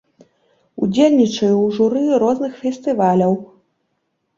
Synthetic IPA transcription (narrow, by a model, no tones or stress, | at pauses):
ṵd͡zʲelʲnʲit͡ʂɐjuwʐuɾɨɾɔznɨxfʲɛsʲt̪ɨvalʲɐw